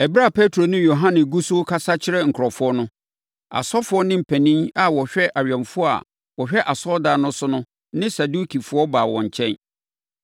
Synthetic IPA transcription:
ɛ˨bɾa˦˨pʰe˦tʰɾo˨nʊ̃˦jo˨ɦã˦nɪ̃˨ɡu˦sʊ˦kʰa˦sa˦t͡ɕʰɪ˦ɾɛ˦ŋ̩˨kʰʊ˨ɾɔ˨fʊ˦ɔ˦nʊ̃˦ | a̰˨sɔ˦fʊ˨˦ɔ˦nɪ̃˦m̩˨pʰæ˨nĩ˦ŋa˨wɔ˨ɕᶣɛ˦ʔa˨ɥᶣɛ̃˨mfʊ˦ɔ˦a̰˨ | wɔ˨ɕᶣɛ˦ʔa˨sɔ˦daː˨˦nʊ̃˦sʊ˦nʊ̃˦ | nɪ̃˦sa˨du˦kʰi˨fʊ˦ɔ˦ba˨wɔ̰̃˨ɲ˨t͡ɕʰɛ̃˦n

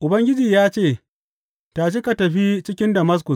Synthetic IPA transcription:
ʔʊ˨bɐ˦ŋɡʲɪ˦d͡ʒiː˨jaː˦t͡ʃeː˦˨ | ta˨ʃi˦ka˨tɐ˨ɸi˦t͡ʃɪ˦kʲɪ˦ndɐ˨mɐ˦s̬kʊ˨s

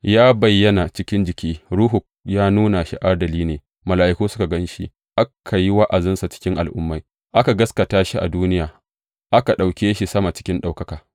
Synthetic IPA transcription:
jaː˦bɐ˨jːɐ˦na˨t͡ʃɪ˦kʲɪ˦nd͡ʒɪ˨kʲiː˦ɾuː˦ɦu˨ | jaː˦nuː˦na˨ʃḭ˨ʔa˦dɐ˨liː˦neː˨ | mɐ˨laː˨ʔɪ˦kuː˦sʊ˦ka˨ɡɐ˦nʃḭ˦ | ʔa˦kʰa˨ji˦wɐ˦ʔa˨zɪ˦nsa˨t͡ʃɪ̥˦kʲɪ˦ŋʔa˨lʔʊ̰˦mːa˦j | ʔa˦ka˨ɡɐ˦skɐ˨taː˦ʃi˦ʔa̰˨duː˦nɪ˦jaː˨ | ʔa˦ka˨ɗa˨wkʲeː˦ʃi˦˨sɐ˦ma˨t͡ʃɪ̥˦kʲɪ˦nɗa˨wkɐ˦kaː˨

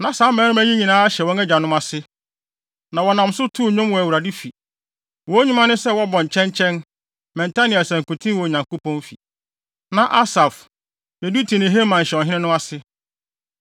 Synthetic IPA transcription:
nã˨saː˨˦mɛ̃˨˦nʊ̃˦m˦æ˦ɲĩ˦ɲĩ˨nãː˨˦a˦ɕɛ˨wɔ̃˦ŋɛ˦d͡ʑa˨nʊ̃˦ma˨sɪ˦ | nã˨wɔ˨nã˨msʊ˦tʰu˦ɲʊ̃˦mwɔ˨æ˨wu˨ɾa˨di˦fi˨ | wɔ̃˦ɲũ˦mã˦nʊ̃˦sɛ˦wɔ˦bɔ̃˨ɲ̩˨t͡ɕʰɛ̃˦ɲt͡ɕʰɛ̃˦n | mɛ̃˨nta˦nĩ˦˨a˨sɛ̃˨ŋ̩˨kʊ̃˨tʰĩ˦wɔ˨ɲã˨ŋko˦pʰɔ̃˦nfi˨ | nã˨ʔa˦sa˨f | ne˨du˦tʰi˨nɪ̃˨ɦe˦mã˨ɲ̩˨ɕɛ˨ɔ˨ɦɪ̃˦nɪ̃˦nʊ̃˦a˦sɪ˦

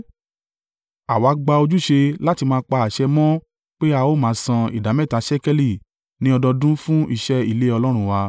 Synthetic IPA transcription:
a˨wa˨˦ɡ͡ba˧o˧d͡ʒu˦ʃe˧la˦ti˧mãː˧˦k͡pa˧a˨ʃɛ˧mɔ̃˦ | k͡pe˦a˧o˦mãː˨˦sã˧ḭ˨da˨˦mɛ˦˨ta˨˦ʃɛ˦kɛ˦li˨ | nĩ˨˦ɔ˧dɔ˧dũ˦fũ˦i˧˨ʃɛ˦i˦˨le˦ɔ˧lɔ˦ɾ̃ũ˦wa˧

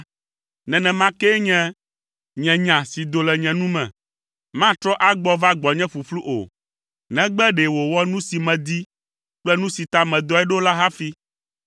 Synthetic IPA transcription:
nɛ̃˨nɛ̃˨mã˦kɛ˦ɲɛ̃˦ | ɲɛ̃˨ɲã˨si˨d̪o˨lɛ˨ɲɛ̃˨nũ˦mɛ̰̃˨ | mã˦t̪ɾɔ˦ʔa˦ɡ͡bɔ˦va˦ɡ͡bɔ˨ɲɛ̃˦fu˨flu˦ʔo̰˨ | nɛ̃˦ɡ͡bɛ˦ɖe˨wo˨wɔ˦nũ˦si˨mɛ̃˨d̪i˦ | k͡plɛ˦nũ˦si˨t̪a˦mɛ̃˨d̪ɔ˦ɛ˦ɖo˦la˦ɦa˦fi˦

